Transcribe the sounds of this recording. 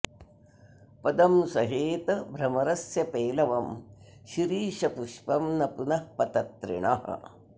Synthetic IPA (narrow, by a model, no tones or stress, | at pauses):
pɐd̪ɐmnsɐɦeːt̪ɐbʱɾɐmɐɾɐsjɐpeːlɐʋɐmʃiɾiːʃɐpuʃpɐmnɐpunɐhpɐt̪ɐt̪ɾḭɳɐ̰ɦɐ̰